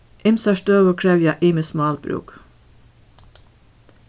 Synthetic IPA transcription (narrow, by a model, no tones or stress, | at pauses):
ʔɪmsɑʃtøːʋəkʰɾɛʋjɑʔɪːməsmɑːlbɾʉ̰ːk